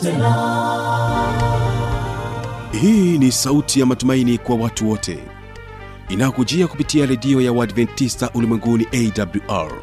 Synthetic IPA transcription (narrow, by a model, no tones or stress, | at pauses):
hiːnisautʰijamatumainikwawatuwɔtʰɛ̰ | inajɔkud͡ʒiaku̥pitiaɾɛɗiɔjawadvɛntːistaʔulimwɛŋɡuniʔɛidabluʔa̰ɹ